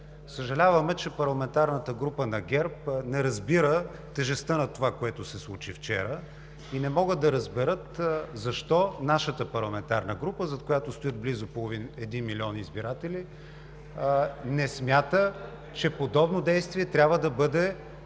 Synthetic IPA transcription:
səʒɐlʲavəmɛt͡ʃɛpɐɾlˠɐmɛnt̪aɾnət̪əɡɾupənɐɡʲɛɾpnɛɾɐzbiɾə | t̪ɛʒɛst̪ənɐt̪ovakoɛt̪osɛslˠut͡ʃift͡ʃɛ̰ɾə | inɛmɔɡəd̪ɐɾɐzbɛɾɤt̪zɐʃt̪ɔnaʃət̪əpɐɾlˠɐmɛnt̪aɾnəɡɾupəzɐt̪̚kojat̪ost̪ojət̪̚blizʊpolˠovinɛd̪inmilʲiɔniizbiɾat̪ɛli | nɛsmjat̪ə | t͡ʃɛpod̪ɔbnod̪ɛjst̪viɛt̪ɾʲabvəd̪ɐbɤd̪ɛ

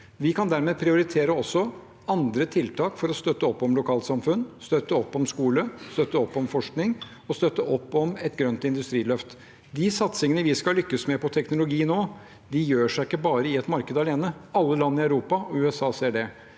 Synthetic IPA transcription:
ʋɪkʰɑnd̪æɾmeːpʰɾɪʊɾɪt̪ʰeːɾəɔsːɔ | ɑnd̪ɾət̪ʰɪlt̪ʰɑːkfɔɾɔst̪œt̪ːəɔpːɔmlʊkʰɑːlsɑmfʉnːst̪œt̪ːəɔpːɔmskuːləst̪œt̪ːəɔpːɔmfɔʂknɪŋ | ɔst̪œt̪ːəʔɔpːɔmɛt̪ɡɾœnt̪ɪnd̪ʉst̪ɾiːlœft̪ | d̪ɪsɑt̪sɪŋənəʋɪskɑlʏkːəsmɛpʰɔt̪ʰɛknʊlʊɡiːnoː | d̪ɪjøːʂæɪkːəbɑːɾəɪɛt̪mɑɾkəd̪ɑleːnəɑlːəlɑnːɪɑʉɾuːpɑʉːɛsɑːseːɖɛ

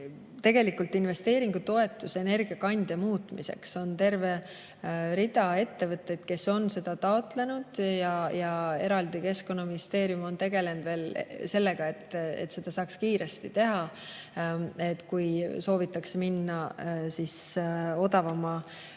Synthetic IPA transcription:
t̪e̞ɡ̥e̞likult̪inve̞st̪e̞ːɾiŋɡ̥ut̪o̞e̞t̪ːˑuse̞ne̞rɡ̥iɑkɑnʲd̪̥emuːt̪mise̞̰kso̞nt̪e̞rve̞ | ɾid̪̥ɑe̞t̪ːe̞vɤt̪ːˑe̞d̪̥ke̞so̞nse̞d̪̥ɑt̪ɑo̞t̪ˑle̞nud̪̥jɑjɑe̞ɾɑld̪ike̞sko̞nːɑminist̪e̞ːɾijumo̞nt̪e̞ɡ̥e̞le̞nd̪ve̞ːlse̞lːe̞ɡ̥ɑe̞t̪ːˑḛt̪ːse̞d̪̥ɑsɑːkskiːɾe̞st̪it̪e̞ɦɑ | e̞t̪ːkujso̞ːvit̪ːˑɑkseminːɑsiso̞d̪̥ɑvɑmɑ

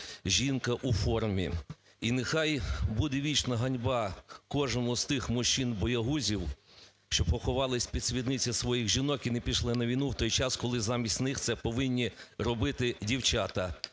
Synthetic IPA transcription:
ʒʲinkɐʔufɔrmʲḭ | inɪxɑjbud̪ɛʋʲit͡ʃnɐɦɐnʲbɑkɔʒnɔmʊzt̪ɪxmʊʃt͡ʃinbɔjɐɦuzʲiw | ʃt͡ʃɔpɔxʊʋɑlˠɪsʲpʲid̥̪sʲʋʲid̪nɪt͡sʲɐsʋɔjixʒinɔkinɛpʲiʃlˠɪnɐʋʲijnuwt̪ɔjt͡ʃɑskɔlˠɪzɑmʲisʲtʲnɪxt̪sɛpɔʋɪnʲːirɔbɪt̪ɪdʲiwt͡ʃɑt̪ɐ

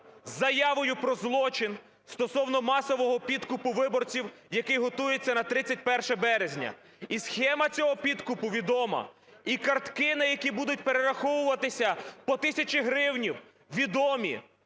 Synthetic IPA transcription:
zːɐjɑʋɔjʊpɾɔzlˠɔt͡ʃɪn | st̪ɔsɔwnɔmɑsɔʋɔɦɔpʲid̪kʊpʊʋɪbɔrt͡sʲiw | jɐkɪjɦɔt̪ujet͡sʲːɐnɐt̪ɾɪt͡sʲːɐt̚ʲpɛrʃɛbɛɾezʲnʲɐ̰ | isxɛmɐt͡sʲɔɦɔpʲid̪kʊpʊʋʲid̪ɔmɐ̰ | ikɐrt̪kɪnɪjɐkʲibud̪ʊtʲpeɾeɾɐxɔwʊʋɐt̪ɪsʲɐpɔt̪ɪsʲɐt͡ʃɪɦɾɪwnʲiw | ʋʲid̪ɔmʲḭ

